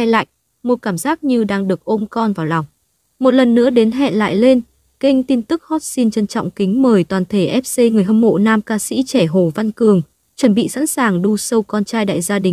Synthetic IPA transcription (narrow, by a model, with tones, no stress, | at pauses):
a˧la̰ː˧˨j | mo˨˩t̚kaː˧˩mzaː˦˥k̚ɲɨ˧ɗaː˧ŋɗɨ˨˩ək̚ʔo˧mkɔ˧nvaː˨˩wla˨˩wŋ͡m | mo˨˩t̚lə˨˩nːɨ̰˧˥əɗe˨˦nɦɛ̰˧˨nla̰ː˧˨jle˧n | kï˧ŋ̟t̪i˧nt̪ɨ˦˥k̚hɔ˦˥t̚si˧nt͡ɕə˧nt͡ɕɔ̰˧˨wŋ͡mkï˨˦ŋ̟məː˨˩jt̪waː˨˩nt̪ʰe˧˩ʔɛ˦˥p̚se˧ŋɨ˨˩əjɦə˧mho̰˧˨naː˧mkaː˧sḭ˧˥t͡ɕɛ˧˩ɦo˧˩va˧nkɨ˨˩əŋ | t͡ɕwə˧˩nɓḭ˧˨sa̰˧˥nsaː˨˩ŋɗu˧sə˧wkɔ˧nt͡ɕaː˧jɗa̰ː˧˨jzaː˧ɗï˨˩ŋ̟